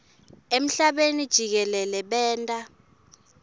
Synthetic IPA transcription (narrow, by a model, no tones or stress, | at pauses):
em̩ɬaɓenid̥ʒ̥ʱik̬ɛlɛlɛɓɛːntʼa